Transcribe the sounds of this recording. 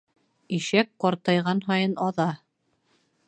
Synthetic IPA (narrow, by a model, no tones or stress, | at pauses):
iʃæk̚qɑɾt̪ɑjʁɑnɦɑjɤnɑðɑ